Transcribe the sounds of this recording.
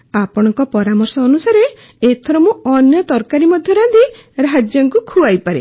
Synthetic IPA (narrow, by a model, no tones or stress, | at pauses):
apɔɽ̃ɔŋkɔpɔɾamɔɾsɔːnusaɾe | et̪ʰɔɾɔmũɔnjɔt̪ɔɾkaɾimɔd̪ʱjɔɾad̪iɾɦad͡ʒjɔŋkukʰuajpaɾḛ